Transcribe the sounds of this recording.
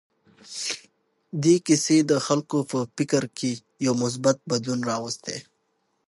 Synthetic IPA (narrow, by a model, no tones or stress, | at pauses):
d̪ekɪsed̪əxalkopəpɪkəɾke | jawmʊs̬bat̪̚bad̪lunɾɑwəst̪ḛ